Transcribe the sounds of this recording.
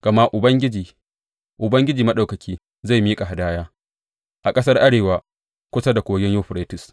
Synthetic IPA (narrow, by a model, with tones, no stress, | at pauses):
ɡ̥ɐ˨ma˦ʔʊ˨bɐ˦ŋɡʲɪ˦d͡ʒiː˨ | ʔʊ˨bɐ˦ŋɡʲɪ˦d͡ʒiː˨mɐ˦ɗa˨wkɐ˨kʲiː˦ | za˦˨jmiː˦kʼa˨ɦa˨daː˦jaː˦ | ʔa˨kʼɐ˦sɐ˦rʔa˦ɽeː˨waː˦ | kʷʊ˦sɐ˦da˨kʷoː˨ɡɛ˦ɲjo˦ɸʊ˨ɾeː˦tɪ˨s